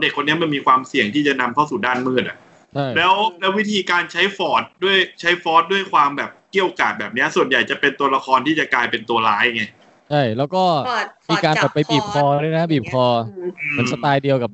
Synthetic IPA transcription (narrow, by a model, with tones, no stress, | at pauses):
de˨˩kʰːo˧nːi˦˥ɐma˧nmiː˧kʰwaː˧msi˨˩əŋt̪ʰiː˥˩t͡ɕa˨˩na˧mt̪ʰa˥˩wsuː˨˩daː˥˩nmɯː˥˩a˨˩ʔ | t͡ɕʰa˥˩jlɛː˦˥wlɛː˦˥wi˦˥t̪ʰiː˧kaː˧nt͡ɕʰa˦˥jfɔː˦˥t̪̚du˥˩əjt͡ɕʰa˦˥jfɔː˦˥t̪̚du˥˩əjkʰwaː˧mbɛː˨˩p̚ki˥˩əwʔo˧kaː˨˩t̪̚bɛː˨˩p̚ni˦˥ɐsu˨˩ənja˨˩jt͡ɕa˨˩pe˧nt̪u˧ɐla˧kʰɔː˧nt̪ʰiː˥˩t͡ɕa˨˩klaː˧jpe˧nt̪u˧ɐlaː˦˥jŋa˦˥ | t͡ɕʰa˥˩jlɛː˦˥wkɔː˥˩miː˧kaː˧npa˨˩pa˧jbiː˨˩p̚kʰɔː˧du˥˩jna˦˥biː˨˩p̚kʰɔː˧m˩˦nsa˧t̪aː˧jdi˧əwka˨˩p̚